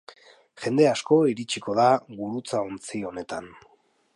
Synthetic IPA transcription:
ʝe̞nd̪e̞asko̞iɾit͡ʃiko̞ðaɣuɾut͡saont͡sio̞ne̞t̪an

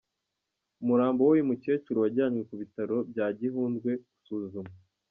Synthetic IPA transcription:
umuɾaːmbowojimuce̞ːt͡ʃuɾuwaɟaːɲŋwe̞kuβitaɾo̞b̚ɟaːɟiɦuːndɡwe̞ɡu̥suːzuma

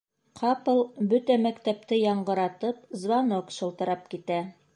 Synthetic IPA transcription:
qʰɑpɤ̆lˠbɵt̪æmækt̪æp̚t̪ɘjɑɴɢɤ̆ɾɑt̪ɤpzvanokʃɤ̆lˠt̪ɤ̆ɾɑp̚kit̪æ

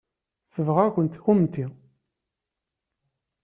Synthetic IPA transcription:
θəvʁækʷənt̪xumt̪i

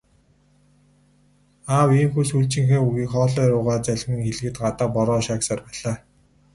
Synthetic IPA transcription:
aːwiːmxusuɮt͡ɕɪ̆ŋxeːuɣiːkχɔːɮɔːɾʊːʁaːt͡sæɮ̆ʲʁɘ̆ŋxeɮ̆ɣɘ̆t̪ɢat̪aːpɔɾɔːʃaːksaːrpæːɮaː

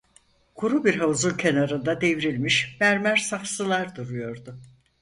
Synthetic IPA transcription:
kʰuɾubiɾɦauzulcʰe̞naɾɯnd̪ad̪e̞viɾilʲmiʃbæɾmæɾsafsɯlˠaɾd̪uɾujo̞ɾd̪ʊ

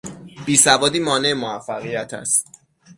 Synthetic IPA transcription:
b̥iːsævɒːd̪iːmɒːne̞emoæfːæɣijæt̪ʰæ̰st̪

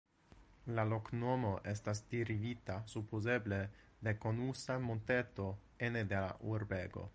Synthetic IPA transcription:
laloknomo̞ʔest̪asd̪̥iɾivit̪asupozeble | d̪ekonusamont̪et̪o | ened̪ela̰ʔuɾbeɡo̰

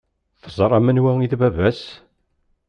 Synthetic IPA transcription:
θəzˤɾˤɑmənwæiθvævæs

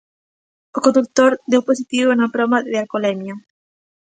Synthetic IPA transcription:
okõnd̪uk̚t̪oɾd̪ewposit̪iβonapɾomaðealkolɛmja

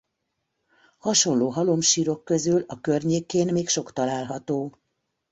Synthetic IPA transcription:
hɒʃo̞nloːɦɒlo̞mʃiːɾo̞kːøzylɒkørɲeːkeːnmeːkʃo̞kt̪ɒlaːlɦɒt̪oː

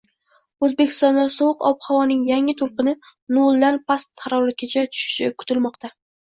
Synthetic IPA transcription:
ɵzbe̞kʲʰɪst̪ɒnd̪asɒwɨqɒ̰phawɒnɪŋjaŋɪt̪ʰolˠqɨnɪnolˠd̪anpʰast̪ʰːaɾɒlɪkʲʰat͡ʃʰat̪ʰʊ̥ʃɪ̥ʃɪkʰʊ̥t̪ʰɪlmɒqt̪a

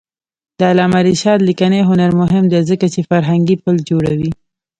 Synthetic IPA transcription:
d̪əalɑmaɾiʃɑt̪likaneɦʊnaɾmʊɦɪmd̪ezəkat͡ʃefaɾɦaŋɡipəld͡ʒoɽawi

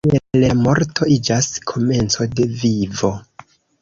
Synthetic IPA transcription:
elamo̞ɾtʰo̞id͡ʒaskʰo̞me̞nt͡so̞de̞vivo̞

